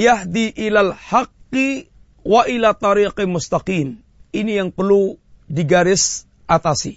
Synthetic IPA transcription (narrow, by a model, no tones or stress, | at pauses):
jaɦd̪iʔilalħaqːi | waʔilat̪ɑɾiqmʊst̪aqiːm | inijaŋpərlu | diɡaɾɪs | ʔat̪asi